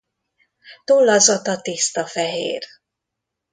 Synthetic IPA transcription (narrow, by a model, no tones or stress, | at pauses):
t̪olːɒzɒt̪ɒt̪ist̪ɒfɛɦḛːr